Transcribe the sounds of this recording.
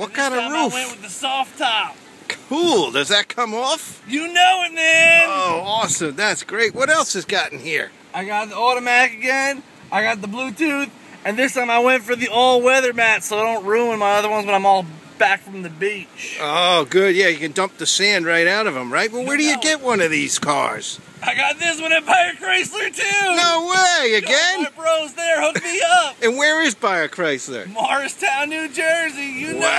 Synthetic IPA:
wʌt̚kʰãɪ̃ndɨɹuwɛ̃nt̚wɨðɨsɔftʰɑp̚ | kʰulˠdʌzðɨt̚kʰʌ̃mɔfjɨnoʊɪt̚mæoʊɔsɨ̃mðætsɡ̥ɹeɪt̚wʌɾɛlˠsɨzɡɑʔŋ̩ḭɹ | aɪɡɑt̪̚ðiɔɾɨmæɾɨkɨɡɛ̃n | aɪɡɑt̪̚ðəblutʰʉθ | ɨ̃nðɪstʰãɪ̃maɪwɛ̃ntfə˞ðioʊlˠd̚wɛðə˞mætsoʊaɪɾõʊ̃nt̚ɹumə̃nmaɪʌðə˞wʌ̃nzwʌɾãɪ̃mɔlˠb̥ækfɹʌ̃mðɨbit͡ʃoʊɡʊd̚jæjɨkɨ̃ndʌ̃mp̚ðɨsæ̃nd̚ɹaɪɾaʊɾʌvə̃mɹaɪt̚wɛt̚ˠwə˞ɾɨjɨɡɛt̚wʌ̃nʌvðiz̥kʰɑ̰ɹz̥ | aɪɡɑt̪̚ðɪswʌ̃nɨbaɪə˞kʰɹ̥eɪslə˞tʰʉoʊweɪɨɡɛ̃nb̥ɹoʊzðə˞hʊk̚miʌp̚ɨ̃nwə˞ɪzbaɪə˞kʰɹ̥eɪslə̰˞mɑɹɨstʰãʊ̃nːʉd͡ʒɜ˞zijɨ

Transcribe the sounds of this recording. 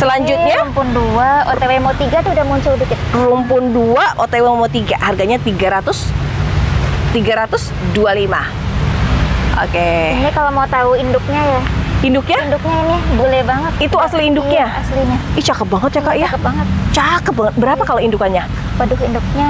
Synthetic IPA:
səlaɲd͡ʒʊt̪̚ɲampʊnduaoewemawt̪iɡat̪ʊudahmuɲt͡ʃudʊkit̪rʊmpʊnduaʔot̪ewemawt̪iɡaharɡaɲat̪iɡaɾat̪ʊs | t̪iɡaɾat̪ʊs | dualima̰ | ʔo̰keakalomaut̪auindʊk̚ɲajaindʊk̚ɲaindʊk̚ɲainibolɛbaŋət̪̚it̪uasliːndʊkɲaasliɲait͡ʃakap̚baŋət̪̚t͡ʃakaʔjabaŋət̪̚t͡ʃakap̚baŋət̪̚bəɾapakaloindukanɲa | pədʊkindʊk̚ɲa

